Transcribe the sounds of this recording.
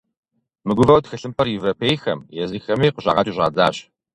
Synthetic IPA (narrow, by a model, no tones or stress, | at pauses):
mɨɡʷʊvɐwtxɨɬɨmpʰɐrjɪvopʰejxɐ̰mjɛzɨxɐmeːqʊɕɑ̰ːʁɐt͡ʃʼuɕɐ̰d͡za̰ːɕ